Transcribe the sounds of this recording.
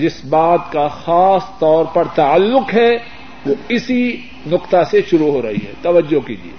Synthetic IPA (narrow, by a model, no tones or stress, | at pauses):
d͡ʒɪsbaːt̪kaxaːst̪ɔːɾpɐɾt̪aəlːʊqɦɛ | ʋoɪsi | nʊqt̪aseʃʊɾuɦoːɾɐɦḭɦɛ̰ːt̪ɐʋəd͡ʒːokilḭḛː